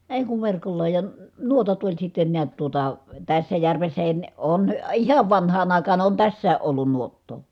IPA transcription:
eˑi̯ kuʋ ʋerkolːɑ jɑ n nuotɑt olʲ sitːen niæt tuotɑ tæsːæ jærʋesːæhin ne on ihɑʋ ʋɑnhɑːn ɑˑikɑːn on tæsːæː ʔolːun nuotːoː

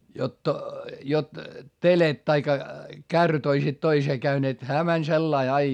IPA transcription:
jot jot telet tɑikːɑ kærːyt oisit toiseː kæyneːt hæː mænʲ selːɑi ɑi

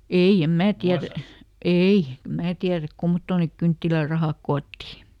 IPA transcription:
ei em mæː tiæræ ei em mæː tiæræk kumːotːoˑn neˑk kyntːilærˑɑhɑˑk koːtːi

